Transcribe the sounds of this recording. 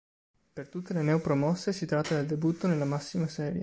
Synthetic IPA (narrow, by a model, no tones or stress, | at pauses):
pert̪ut̪ːelenɛwpɾomɔsːesit̪ɾat̪ːad̪eld̪ebut̪ːonelːamasːimasɛːɾje